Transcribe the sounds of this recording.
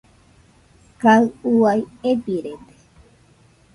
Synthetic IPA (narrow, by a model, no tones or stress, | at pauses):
kaɨuajepiɾed̪e̥